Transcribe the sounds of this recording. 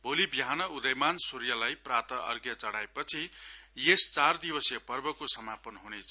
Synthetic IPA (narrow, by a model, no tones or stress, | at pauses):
bolibiɦanʌud̪ʌjmansuɾjʌlajprat̪ʌʔʌ̰rɡjʌt͡sʌɽaepʌt͡sʰijest͡sard̪ibʌsjʌpʌrbʌkosʌmapʌnɦunet͡sʰ